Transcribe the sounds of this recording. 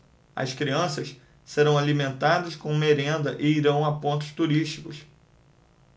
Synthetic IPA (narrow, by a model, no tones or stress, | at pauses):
ɐ̰skɾiɐ̃sɐs | seɾɐ̃w̃alimẽnt̪ad̪ɐskõw̃meɾẽnd̪ɐʔɪiɾɐ̃w̃apõnt̪ʊ̥st̪uɾiʃt͡ʃi̥kʊs